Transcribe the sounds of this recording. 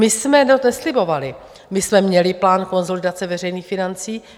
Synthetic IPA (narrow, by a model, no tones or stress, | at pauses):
ɪsmɛnot̪nɛslɪbo̞valɪ | mɪsmɛmɲɛlɪplaːnko̞nzolɪdat͡sɛvɛr̝ɛjniːxfɪnant͡siː